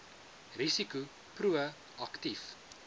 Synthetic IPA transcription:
ɾisiku | pruə | ɐktif

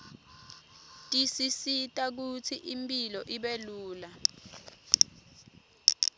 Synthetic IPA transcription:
tʼisisitʼak̬ut͡sʰiʔimpʼilɔʔiɓeluːla

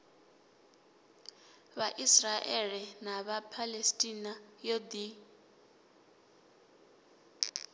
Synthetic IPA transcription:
βaʔisraʔɛlɛnaβapʰalestʼinajod̪i

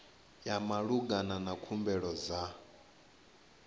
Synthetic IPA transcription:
jamaɺuɡananakʰumbɛɺɔd͡za

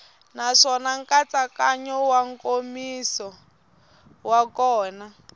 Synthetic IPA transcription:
naʂɔnaŋkat͡sakaɲɔwaŋkomisɔ | wakɔːna

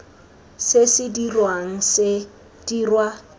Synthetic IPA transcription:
sɪsɪdirwaŋ̩sɪ | d̥irwa

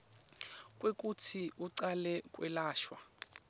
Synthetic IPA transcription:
kʼwek̬ʼutʰiʔuǀalɛkʼwɛ̰laːʃwa

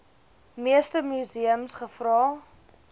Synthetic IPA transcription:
miəstəmyziəmsχəfrɑː

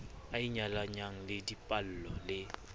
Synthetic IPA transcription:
aiɲalaɲaŋ̩lɪdipʼal̩lɔlɪ

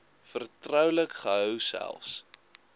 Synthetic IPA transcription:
fərtrœwləkχəɦœwsæ̰lˠfs

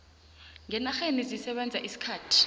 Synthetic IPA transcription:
ŋɛnaxenizisɛɓɛnd͡zʱaʔisi̥kʰaːtʰi̥

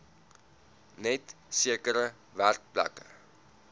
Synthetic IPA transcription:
nɛtsiəkəɾə | værk̚pla̰kə̰

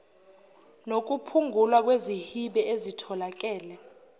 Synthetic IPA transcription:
nok̬upʰuŋʱulwak̬wezihiɓɛezitʰɔlak̬ʼɛːlɛ

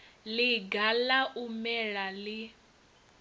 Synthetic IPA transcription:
liɡalaʔumɛɺali

